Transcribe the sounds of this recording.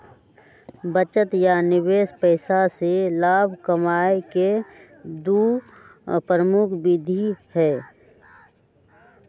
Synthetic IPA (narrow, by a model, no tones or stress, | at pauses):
bət͡ʃət̪janɪbeːspəɪsaselaːbʱkəmaːeke | d̪u | pɾəmʊkʰbid̪ʱihɛː